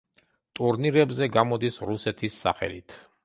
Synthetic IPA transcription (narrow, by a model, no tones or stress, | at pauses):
t̪ʼuɾniɾɛbzɛɡamɔd̪isɾusɛt̪ʰisːa̰χɛ̰lit̪ʰ